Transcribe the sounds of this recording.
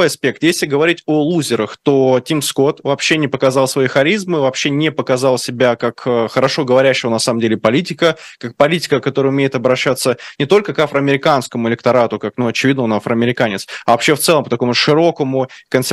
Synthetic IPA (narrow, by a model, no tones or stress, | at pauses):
jɐspʲe̞k̚t̪jesʲlʲɪɡəvɐɾʲitʲolˠuzʲɪɾəxt̪o̞tʲimsko̞t̪vɐpɕːenʲɪpəkɐzɑlˠsvɐixɐɾʲizmɨvɐpɕːenʲɪpəkɐzɑlˠsʲɪbʲakakəxəɾɐʂo̞ɡəvɐɾʲæɕːɪvənɐsaməmdʲelʲɪpɐlʲit̬ʲɪkəkak̚pɐlʲitʲɪ̥kəkɐt̪o̞ɾəʊmʲejɪt̪ɐbɾɐɕːat̪sənʲɪt̪o̞lʲkəkafɾəɐmʲɪɾʲɪkanskəmʊɪlʲɪk̚t̪ɐɾat̪ʊkaknuɐt͡ɕɪvʲid̪nəonafɾəɐmʲɪɾʲɪkanʲɪt̪sɐvɐpɕːeft̪sɛlˠəmpət̪ɐko̞mʊʂɨɾo̞kəmʊkənsʲ